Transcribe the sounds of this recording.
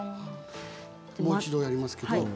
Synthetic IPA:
moːit͡ɕid̪ojaɾʲimasɨ̥ke̞do

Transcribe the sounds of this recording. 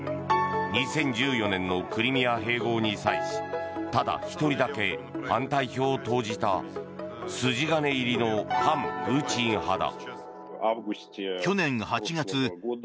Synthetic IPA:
ɲ̟isẽ̞ɲ̟d͡ʑɨːjo̞nẽ̞nːo̞kɯ̟ɾʲimʲiaɦe̞ːɡo̞ːɲ̟isaisɨ̥t̪ad̪a̰çi̥t̪o̞ɾʲid̪ake̞hãnt̪aiço̞ːt̪o̞ːʑit̪a | sɨʑiɡane̞iɾʲino̞hãmɸɯ̟ːt͡ɕĩɰ̃had̪a̰ | kʲo̞nẽ̞ɴ̃hat͡ɕiɡat͡sɨ

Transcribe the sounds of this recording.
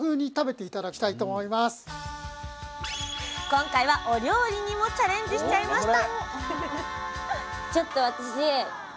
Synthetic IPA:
hɯ̟ːɲ̟it̪abe̞t̪e̞it̪ad̪akʲi̥t̪ait̪oːmo̞imasɨ̥ | kõ̞ŋkaiβaʔo̞ɾʲo̞ːɾʲiɲ̟imo̞t͡ɕaɾẽ̞ɲ̟d͡ʑɨɕi̥t͡ɕaimaɕit̪ | t͡ɕo̞t̪ːo̞β̞at̪aɕie

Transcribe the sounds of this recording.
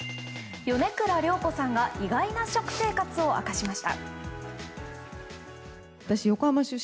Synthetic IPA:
jo̞ne̞kɯ̟ɾaɾʲo̞ːko̞sãŋɡaʔiɡainaɕo̞kɯ̟̥se̞ːkat͡sɨo̞ʔa̰kaɕimaɕi̥t̪a̰ | βat̪aɕijo̞kohamaɕɨ

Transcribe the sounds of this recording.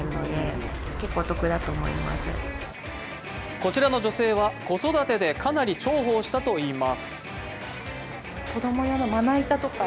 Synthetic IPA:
nod̪eke̞kːoːt̪okɯ̟d̪at̪oːmo̰ḭma̰sɨ̰ | ko̞t͡ɕiɾano̞d͡ʑo̞se̞ːβako̞so̞d̪at̪e̞d̪e̞kʰanaɾʲit͡ɕo̞ːɦo̞ːɕi̥t̪at̪o̞iːmasɨ̥ | ko̞d̪o̞mojanomanait̪at̪oka

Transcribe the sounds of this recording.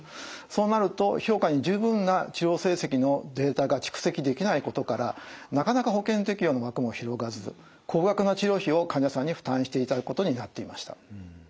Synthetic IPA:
so̞ːnaɾɯ̟t̪o̞ço̞ːkaɲ̟id͡ʑɨːbɯ̟̃nːat͡ɕiɾʲo̞ːse̞ːse̞kʲino̞d̪e̞ːt̪aɡat͡ɕi̥kɯ̟̥se̞kʲid̪e̞kʲinaiko̞t̪o̞kaɾanakanakaho̞kẽ̞nt̪e̞kʲijo̞ːno̞βakɯ̟mo̞çiɾo̞ɡazɨ | kʰo̞ːɡakɯ̟not͡ɕiɾo̞ːçio̞kãɲd͡ʑasãɲ̟ːiɸɯ̟̥t̪ãɰ̃ɕi̥t̪e̞it̪aakɯko̞t̪o̞ɲ̟inat̪ːe̞imaɕi̥t̪ḁ̰

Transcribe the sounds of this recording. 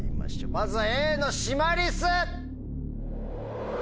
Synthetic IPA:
ima̰ɕmazɨaeːnoɕimaɾʲisɨ

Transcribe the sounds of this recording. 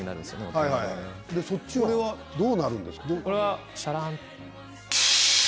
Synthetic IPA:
inaɾɯ̟̃nd̪esɨjonehaihaihad̪e̞so̞t͡ɕːioɾe̞βa | d̪o̞ːnaɾɯ̟̃nd̪e̞sɨ̥ked̪okoɾeβa | ɕaɾãn

